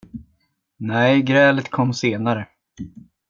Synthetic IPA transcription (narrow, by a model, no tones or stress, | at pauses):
nɛjɡɾɛːlət̪kʰɔmːseːnaɾə